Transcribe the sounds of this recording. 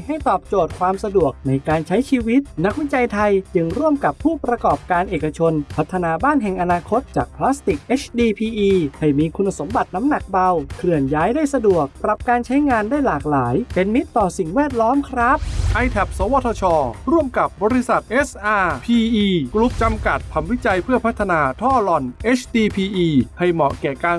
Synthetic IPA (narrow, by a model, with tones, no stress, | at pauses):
ha˥˩jt̪ɔː˨˩p̚t͡ɕoː˨˩t̪̚kʰwaː˧msa˧du˨˩ək̚na˧jkaː˧nt͡ɕʰa˦˥jt͡ɕʰiː˧wi˦˥t̪̚na˦˥k̚wi˦˥t͡ɕa˧jt̪ʰa˧jt͡ɕɯ˧ŋɾu˥˩əmka˨˩pʰːuː˥˩pɾa˧kɔː˨˩p̚kaː˧nʔeː˨˩ka˧t͡ɕʰo˧npʰa˦˥t̪ʰːa˧naː˧baː˥˩nɦɛ˨˩ŋʔa˧naː˧kʰo˦˥t̪̚t͡ɕaː˨˩k̚pʰlaː˦˥st̪i˨˩k̚ʔeː˦˥t͡ɕʰdiː˧pʰiː˧ʔiː˧ha˥˩jmiː˧kʰu˧nːa˧so˩˦mba˨˩t̪̚na˦˥mna˨˩k̚ba˧wkʰlɯ˨˩ənjaː˦˥jdaː˥˩jsa˧du˨˩ək̚pɾa˨˩p̚kaː˧nt͡ɕʰa˦˥jŋaː˧ndaː˥˩jlaː˨˩k̚laː˩˦jpe˧nːi˦˥t̪ːɔː˨˩si˨˩ŋwɛː˥˩t̪̚lɔː˦˥mkʰɾa˦˥p̚ʔa˧jt̪ʰɛ˨˩p̚sɔː˨˦wa˧˥t̪ʰɔ˧t͡ɕʰɔː˧ɾu˥˩əmka˨˩p̚bɔː˧ɾi˧sa˨˩t̪̚ʔe˦˥sʔaː˧pʰiː˧ʔiː˧kɾu˦˥p̚t͡ɕa˧mka˨˩t̪̚pʰa˧mwi˦˥t͡ɕa˧jpʰɯ˥˩əpʰa˦˥t̪ʰːa˧naː˧t̪ʰɔː˥˩lɔ˧˩nʔeː˦˥t͡ɕʰdiː˧pʰiː˧ʔiː˧ha˧˩jmɔ̰˨˩kɛː˨˩kaː˧